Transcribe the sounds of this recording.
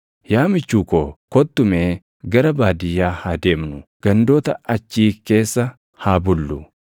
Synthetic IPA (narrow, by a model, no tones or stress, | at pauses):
jaːmɪt͡ʃːuːkoːkɔt̪ːʊmeː | ɡɐɾɐbaːd̪ɪjːaːhad̪e̞ːmnʊɡ̥ɐnd̪o̞ːt̪ɐʔɐt͡ʃːiːke̞ːsːɐ | haːbʊlːʊ